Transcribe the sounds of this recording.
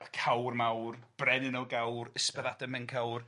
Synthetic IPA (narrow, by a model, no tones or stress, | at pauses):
kʰawrmawrb̥rɛnɪnɔlˠɡawrəspɛðadɛmɛnkʰawr